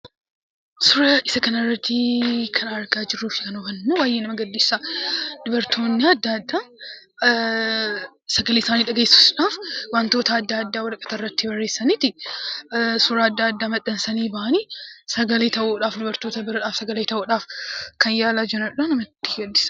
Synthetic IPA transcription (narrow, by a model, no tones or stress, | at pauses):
sʊɾɐʔɪsɐkɐnɐrːɐt̪ːɪkʰɐnɐɾɡaːd͡ʒɪrːuːfɪ̥kɐnɔfɐnːowaːjːeːnɐmɐɡɐd̪ːɪsːaːd̪ʊbɐɾt̪ʰo̞ːnːɪɐd̪ːad̪ːaː | sɐɡɐleːɪsaːniːᶑɐɡeːsu̥ːsᶑaːfwant̪o̞ːt̪ɐːd̪ːɐaɐd̪ːaːwɐlɐkʼɐ̥t̪ɐrːɐt̪ːɪbɐrːeːsːɐniːt̪ɪ | sʊɾaːɐd̪ːaːɐd̪ːaːmɐᶑ̪ɐnsɐniːbɐʔɐniːsɐɡɐleːt̪ɐʔuːᶑaːfd̪ʊbɐɾt̪oːt̪ɐbɪɾɐᶑaːfsɐɡɐleːt̪ɐʔuːᶑaːfkʰɐnjaːlaːd͡ʒɪɾɐᶑɐːnɐmɐt̪ːɪ̥ɡɐd̪ːɪsɐ